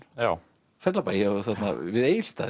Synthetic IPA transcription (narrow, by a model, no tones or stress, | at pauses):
ja | fɛt̪lapaɾɔɣθat̪na̰vɪðeːjɪɾ̥st̪a̰ː